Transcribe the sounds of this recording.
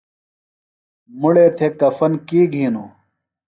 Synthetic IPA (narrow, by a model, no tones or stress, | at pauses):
muɽeːt̪ʰeːkɐfɐnkiːɡʱiːnoː